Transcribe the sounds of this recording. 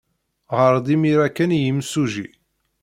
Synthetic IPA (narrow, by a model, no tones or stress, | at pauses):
ʁəɾˤd̪imiɾækːænjimsuʒi